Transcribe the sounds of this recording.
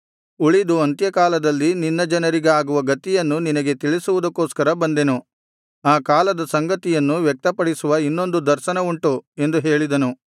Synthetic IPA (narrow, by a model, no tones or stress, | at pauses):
uɭid̪uɐnt̪jɐkaːlɐd̪ɐlːininːɐd͡ʒɐnɐɾiɡeaːɡuʋɐɡɐt̪ijɐnːuninɐɡe̞t̪iɭisuʋud̪ɐkːoːskɐɾɐbɐnd̪enu | aːkaːlɐd̪ɐsɐŋɡɐt̪ijɐnːuʋjɛk̚t̪ɐpɐɽisuʋɐinːo̞nd̪ud̪ɐɾʃɐnɐuɳʈuend̪uɦe̞ːɭid̪ɐnu